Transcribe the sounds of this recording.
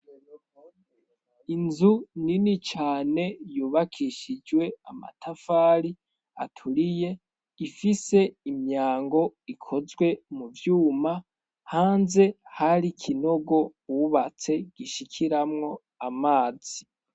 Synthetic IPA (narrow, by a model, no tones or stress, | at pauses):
inzuninit͡ʃaːne̞juːβakʰiʃid͡ʒwe̞ama̰tʰafaːɾi | a̰tʰuɾije̞ | ifise̞imɲaːŋɡo̞ikʰo̞zɡwe̞muvjuːma | haːnze̞haɾikʰino̞ɡo̞wuβat͡se̞ɡ̥iʃikʰiɾamŋo̞ | amaːz̥i